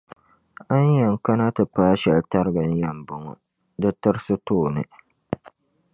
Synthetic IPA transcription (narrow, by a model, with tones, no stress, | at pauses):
a˦ɲjɛ˨ŋ˨ka˦na˦tɨ˨paː˦ʃɛ˨lta˦ɾɨ˦ɡɨ˨n˦ja˨mbʊ˨ŋɔ̰˨ | dɨ˦tɨ˦ɾsɨ˦toː˦˨nɨ̰˨